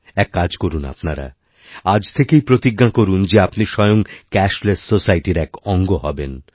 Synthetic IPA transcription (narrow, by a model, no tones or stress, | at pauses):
ɛkːad͡ʑkoɾuna̰pnaɾa̰ | ad͡ʑt̪ʰekejpɾot̪iɡːakoɾund͡ʑeapniʃɔjoŋkɛʃlessosajʈiɾɛkɔŋɡoɦɔben